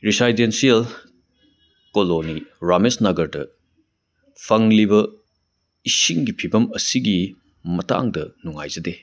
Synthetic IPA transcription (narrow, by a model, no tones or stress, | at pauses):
ɾisajdensiɐl | koloniɾamesnɐɡɐɾdɐ̰ | pʰɐŋliβɐ | isiŋɡipʰibɐmɐsiɡi | mɐta̰ŋdɐnuŋa̰jzɐde